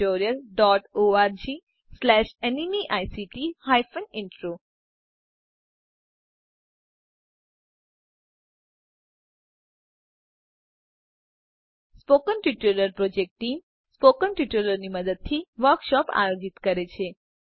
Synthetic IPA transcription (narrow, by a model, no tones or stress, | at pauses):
oɾijəlɖɔʈoaɾd͡ʒi | slɛʃenimiʔajsiʈihajfənɪɳʈɾo | spokənʈuʈoɾiəɾpɾod͡ʒek̚ʈʈːim | spokənʈuʈoləɾniməd̪əd̪̚t̪ʰiʋəɾkʃɔpa̰jod͡ʒit̪kəɾet͡ʃʰe